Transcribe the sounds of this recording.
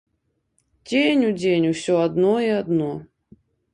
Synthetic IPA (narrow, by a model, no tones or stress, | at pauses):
dʲenʲudʲenʲufsʲoɐd̪noiɐd̪no